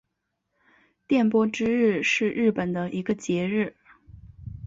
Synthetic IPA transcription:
t̪jɛ˥˩npwɔ˥ʈ͡ʂɻ̩˥ɻɻ̩˥˧ʂɻ̩˥˧ɻɻ̩˥˩pə˨˩nd̪ə˦ʔi˧˥ɡə˧t͡ɕjɛ˧˥ɻɻ̩˥˩

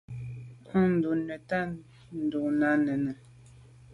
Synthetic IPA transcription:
u˦˨n̩˨du˨nɥɛ˨ta˦˨ | n̩˨du˨ʔna˦nə˨nə˨

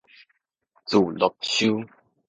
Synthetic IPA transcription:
t͡su˨˩lɔ˨˩k̚ɕu˦

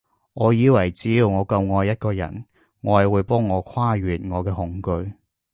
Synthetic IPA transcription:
ŋɔː˨˧jiː˨˧wɐ˨˩jt͡siː˨˧wŋɔː˨˧kɐ˧wŋɔː˧jːɐ˥t̚kɔː˧jɐ̰˨˩n | ŋɔː˨˧˨wuː˨˧jpɔː˥ŋːɔː˨˧kʰwaː˥ɥyː˨˩t̚ŋɔː˨˧kɛː˧ɦʊ˨˥ŋkɵ˧ɥ

